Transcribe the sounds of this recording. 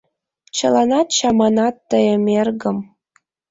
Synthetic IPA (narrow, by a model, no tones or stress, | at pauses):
t͡ɕɤ̆lˠɑnɑt̪ɕɑmɑnɑt̪ːəjəmerɡə̆m